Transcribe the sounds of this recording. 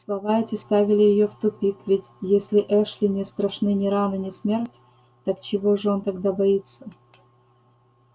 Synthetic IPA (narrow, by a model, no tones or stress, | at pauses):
slˠɐvaɛtʲɪst̪avʲɪlʲɪjɪjoft̪ʊpʲikvʲɪtʲjesʲlʲɪʔɛʂlʲɪnʲɪst̪ɾɐʂnɨnʲɪɾanɨnʲɪsmʲertʲ | t̪aɐkt͡ɕɪvoʐɨo̞nt̪ɐɡd̪abɐit̪sːə